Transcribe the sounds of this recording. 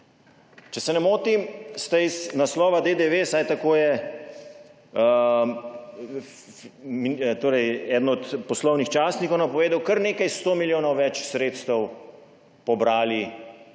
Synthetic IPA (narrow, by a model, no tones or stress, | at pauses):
t͡ʃɛsɛnɛmoːt̪imst̪ɛiznaslɔːʋad̪ed̪eʋesajt̪akoːjɛ | mit̪oːɾɛjɛːd̪nɔt̪pɔslɔwnixt͡ʃaːsnikɔwnɐpɔʋeːd̪ɐwkɐɾneːkajst̪oːmiljoːnɔwʋɛt͡ʃsɾeːt̪st̪ɛw | pɔbɾaːli